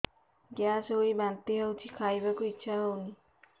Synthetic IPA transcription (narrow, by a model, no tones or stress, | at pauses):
ɡasojbant̪iɦəwt͡ʃʰikʰajbakuitːʃʰaɦəwni